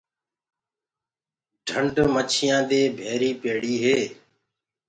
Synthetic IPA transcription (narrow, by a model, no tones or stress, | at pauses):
ɖʱəɳɖmət͡ʃʰɪjãːd̪eːbʱeːɾiːpeːɽiːɦeː